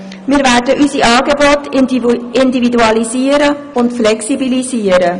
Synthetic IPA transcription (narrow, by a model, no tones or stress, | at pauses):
mɪːɾvæːrdəʔysiʔɑːɡebɔt | ɪndividuɑliziəɾə | ʊntflɛksibiliziəɾə